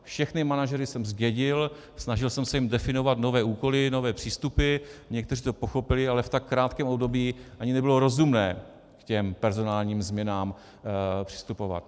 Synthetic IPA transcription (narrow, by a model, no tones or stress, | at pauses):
fʃɛxnɪmanaʒɛɾɪsɛmzɟɛɟɪl | snaʒɪlsɛmsɛjɪmdɛfɪno̞vat̪no̞vɛːuːko̞lɪno̞vɛːpr̝̥iːst̪upɪɲɛkt̪ɛriːt̪o̞po̞xo̞pɪlɪalɛft̪akːɾaːt̪kɛːmo̞bdo̞biːʔaɲɪnɛbɪlo̞ɾo̞zumnɛː | kcɛmpɛɾzo̞naːlɲiːmzmɲɛnaːm | pr̝̥ɪ̥st̪upo̞va̰t̪̚